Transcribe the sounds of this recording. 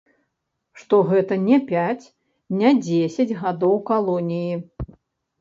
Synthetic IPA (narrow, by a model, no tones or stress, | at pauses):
ʂt̪ɔɣɛt̪ɐnʲɛpʲat͡sʲ | nʲɛd͡zʲesʲɐd͡zʲɣad̪ɔwkalˠɔnʲiji